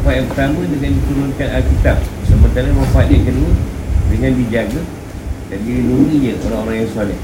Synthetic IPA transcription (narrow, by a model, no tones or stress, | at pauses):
faat̪jaŋpət̪amədəŋandit̪əɾunkanalkit̪ap̚səmənt̪aɾəmãfaat̪̚jaŋkəduədəŋãndid͡ʒaɡa | danbiinuniɲəʔoɾaŋoɾaŋjaŋsuala